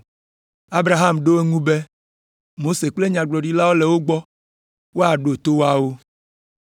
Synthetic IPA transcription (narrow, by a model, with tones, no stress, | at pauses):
a˦bɾa˨ɦa˦mɖo˦e˦ŋũ˦be˦ | mo˦se˨k͡ple˦ɲã˨ɡ͡blɔ˨ɖi˦la˦wo˦le˨wo˦ɡ͡bɔ˦ | wo˦a˨ɖo˨t̪o˦wo˦a˦wo˦